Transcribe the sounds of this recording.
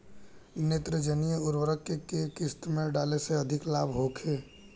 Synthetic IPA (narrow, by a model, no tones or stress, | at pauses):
net̪ɾəd͡ʒənijəuɾwəɾəkːekekɪst̪mẽɖaːleseəd̪ʱɪklaːbʱɦokʰeː